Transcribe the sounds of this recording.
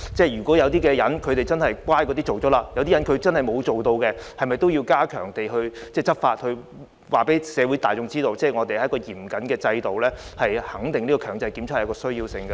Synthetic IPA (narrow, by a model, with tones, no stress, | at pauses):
t͡sɛː˥˩jyː˨˩kʷɔː˨˥jɐ˨˧wt̪iː˥kɛː˧jɐ˨˥nkʰɵ˨˧ɥt̪e˨jt͡sɐ˥nhɐ˨jkʷwʷaː˥jkɔː˨˧t̪iː˥t͡so˨wt͡sɔː˨˥laː˧jɐ˨˧wt̪iː˥jɐ˨˥nkʰɵ˨˧ɥt͡sɐ˥nhɐ˨jmo˨˧wt͡so˨wt̪o˧wkɛ˧hɐ˨jmɐ˨˩jt̪o˥wji˧wkaː˥kʰœː˨˩ŋt̪e˨jɦɵ˧ɥt͡sɛː˥˩t͡sɐ˥t̚faː˧t̚hɵ˧ɥ | waː˨˩pe˨˥jsɛː˨˧wu˨˥t̪aː˨jt͡sʊ˧ŋt͡siː˥t̪o˧wt͡sɛː˥˩ŋɔː˨˧t̪e˨jhɐ˨˦˥kɔː˧jiː˨˩mkɐ˨˥nkɛː˧t͡sɐ˧jt̪o˨wlɛː˥hɐ˨jhɐ˨˥ŋt̪ɪ˨ŋniː˥kɔː˧kʰœː˨˩ŋt͡sɐ˨˥jkiː˨˧˥mt͡sʰːkɔː˧sɵ˥ɥjiː˧wsɪ˧ŋɡɐ˧